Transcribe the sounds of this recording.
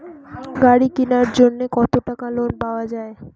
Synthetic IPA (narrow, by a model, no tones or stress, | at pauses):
ɡaɽikinaɾd͡ʑonːekɔt̪oʈakalonpaoad͡ʑae